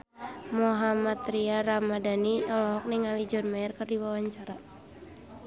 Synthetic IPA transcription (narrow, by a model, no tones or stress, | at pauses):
moɦamat̪ɾiaɾamadaniɔlɔɦɔk̚niŋalid͡ʒɔnmaɛrkɨrdiwawaɲt͡ʃaɾa